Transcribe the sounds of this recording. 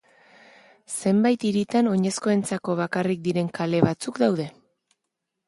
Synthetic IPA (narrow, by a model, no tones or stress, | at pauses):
se̞mbajt̪iɾit̪ano̞ɲe̞sko̞e̞nt͡sako̞β̞akarik̚d̪iɾe̞ŋkale̞βat͡sukd̪awð̞e̞